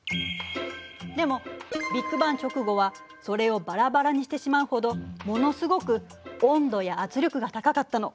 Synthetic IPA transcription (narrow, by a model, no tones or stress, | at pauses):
d̪e̞mo̞bʲikːɯ̟bãɲ̟t͡ɕo̞kɯ̟ɡo̞βa | so̞ɾe̞o̞baɾabaɾaɲ̟iɕi̥t̪e̞ɕimaɯ̟ho̞d̪o̞mo̞no̞sɨɡo̞kɯ̟ | õ̞nd̪o̞jaːt͡sɨɾʲokɯ̟ɡat̪akakat̪ːano̞